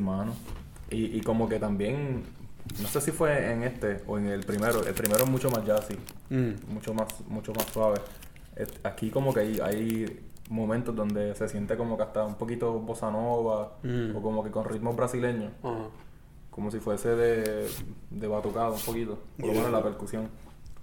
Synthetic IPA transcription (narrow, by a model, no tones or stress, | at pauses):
mãno | iʔiko̞mo̞ke̞t̪ambje̞ŋ | no̞sesifwe̞eŋe̞st̪eo̰eŋelpɾime̞ɾo̞ʔḛlpɾime̞ɾoeɦmut͡ʃo̞mazd͡ʒasi | mut͡ʃomasmut͡ʃomasfaβe̞ | ḛakiko̞mo̞keaja̰j | mõmẽnt̪o̞zd̪o̞nd̪e̞se̞sje̞nt̪e̞ko̞mokeast̪aumpo̞kit̪o̞bo̞sanoβaoko̞mo̞ke̞ko̞nrʔit̪mozbɾasile̞ɲo̞s | ko̞mo̞s̬ifwe̞se̞ðe̞ | d̪e̞βat̪ukaðoumpo̞kit̪o̞poɾlomenolape̞ɾkusjo̞ŋ